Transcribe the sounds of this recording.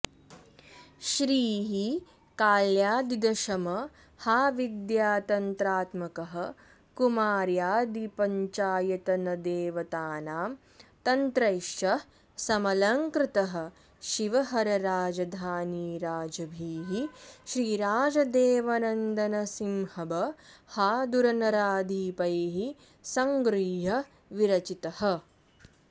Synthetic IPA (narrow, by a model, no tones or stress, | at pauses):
ʃɾiːɦi | kaːljaːd̪id̪ɐʃɐmɐ | haːʋid̪jaːt̪ɐnt̪ɾaːt̪mɐkɐɦɐ | kumaːɾjaːd̪ipɐɲt͡ʃaːjɐt̪ɐnɐd̪eːʋɐt̪aːnaːm | t̪ɐnt̪ɾɐjʃjɐ | sɐmɐlɐŋkɾɪt̪ɐɦɐ̆ | ʃiʋɐɦɐɾɐɾaːd͡ʒɐd̪ʱaːniːɾaːd͡ʒɐbʱiːɦiʃɾiːɾaːd͡ʒɐd̪eːʋɐnɐnd̪ɐnɐsimhɐbɐhaːd̪uɾɐnɐɾaːd̪ʱiːpɐjɦi | sɐŋɡɾiːɦɐ | ʋiɾɐt͡ʃit̪ɐhɐ̆